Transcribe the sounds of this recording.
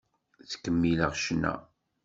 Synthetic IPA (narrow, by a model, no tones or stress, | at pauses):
θkːəmːiləʁʃnæ̰